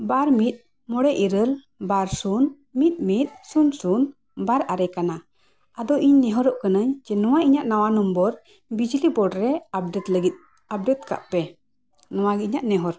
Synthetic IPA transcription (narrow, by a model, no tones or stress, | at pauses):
baɾmit̪̚ | mɔɽɛʔiɾəl | baɾsun | mit̪̚ˀmit̪̚sunsun | baɾʔaɾɛkana | ad̪ɔʔiɲnɛɦɔɾɔʔkənəɲd͡ʒɛnɔwaʔiɲaʔnawanumbɔɾ | bid͡ʒlibɔɖɾɛab̚ɖɛt̪ləɡit̪̚ | ab̚ɖɛt̪̚ka̰ʔpɛ | nɔwaɡɛiɲaʔnɛɦɔɾ